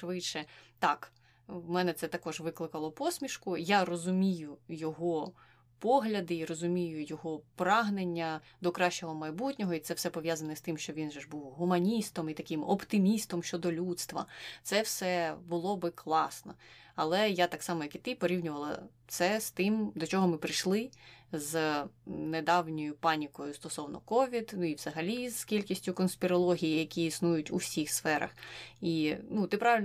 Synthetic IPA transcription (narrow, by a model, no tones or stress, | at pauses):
ʃʋɪʃɛt̪ɑk | mɛnɛt̪sɛt̪ɐkɔʒʋɪklˠɪkɐlˠɔpɔsʲmʲiʃkʊjarɔzʊmʲijʊjɔɦɔ | pɔɦlʲɐd̪ɪiɾɔzʊmʲijʊjɔɦɔpɾɑɦnenʲːɐ | d̪ɔkɾɑʃt͡ʃɔɦɔmɐjbutʲnʲɔɦɔit̪sɛwsɛpɔʋjazɐnɛst̪ɪmʃt͡ʃɔʋʲinʒɛʒbuwɦʊmɐnʲist̪ɔmit̪ɐkɪmɔ̰pt̪ɪmʲist̪ɔmʃt͡ʃɔd̪ɔlʲut̪st̪ʋɐ̰t̪sɛwsɛbʊlˠɔbɪklˠɑsnɔ̰ɐlˠɛjat̪ɑksɑmɔjɐkit̪ɪpɔɾʲiwnʲʊʋɐlˠɐ̰ | t̪sɛst̪ɪmd̪ɔt͡ʃɔɦɔmɪpɾɪʃlˠɪz | ned̪ɑwnʲɔjʊpɑnʲikɔjʊst̪ɔsɔwnɔkɔʋʲid̪nuiʋzɐɦɐlʲizkʲilʲkʲisʲtʲʊkɔnspʲiɾɔlˠɔɦʲijijɐkʲiːsnujʊtʲṵwsʲixsfɛɾɐ̰xinut̪ɪpɾɑʋɪlʲ